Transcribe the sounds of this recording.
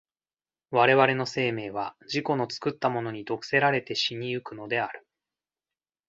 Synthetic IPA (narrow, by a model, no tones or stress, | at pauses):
βaɾe̞βaɾe̞no̞se̞ːme̞ːβ̞aʑiko̞no̞t͡sɨ̥kɯ̟t̪ːamo̞no̞ɲ̟id̪o̞kɯ̟̥se̞ɾaɾe̞t̪e̞ɕiɲ̟iɯ̟kɯ̟no̞d̪e̞aɾɯ̟